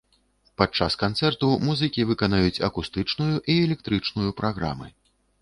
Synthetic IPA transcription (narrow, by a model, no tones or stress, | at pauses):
pat͡ʂːaskant̪sɛrt̪umuzɨkʲivɨkanajut͡sʲɐ̰kust̪ɨt͡ʂnujuʔiɛlʲɛk̚t̪ɾɨt͡ʂnujupɾʔaɣɾa̰mɨ̰